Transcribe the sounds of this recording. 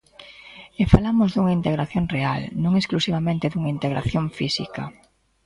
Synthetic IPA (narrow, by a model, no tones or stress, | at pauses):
efalamʊzðuŋɐint̪eɣɾaθjoŋrealnõŋesklusiβ̞amẽnt̪ɪðuŋaint̪eɣɾa̰θjoŋfisḭkɐ